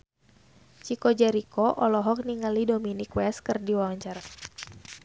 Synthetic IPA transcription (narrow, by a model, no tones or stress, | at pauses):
t͡ʃikɔd͡ʒɛɾikɔʔɔlɔɦɔk̚niŋalidominikwɛskɨrdiwawaɲt͡ʃar